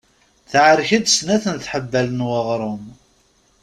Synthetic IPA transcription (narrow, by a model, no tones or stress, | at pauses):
θʕəɾçəd̪snæθənθħəbːælənwɑʁɾˤʊm